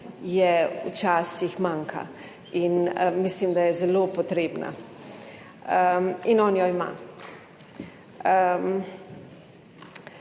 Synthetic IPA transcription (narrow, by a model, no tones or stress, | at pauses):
jɛṵt͡ʃaːsixmaːŋkʰa̰ | inmislimd̪ajɛzɛloːpot̪ɾeːbna̰ | əinɔːnjɔima̰ː | m